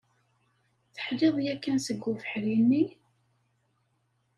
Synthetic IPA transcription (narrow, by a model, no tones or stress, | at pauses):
θə̥ħleðˤjækːænsəɡːufə̥ħɾinːi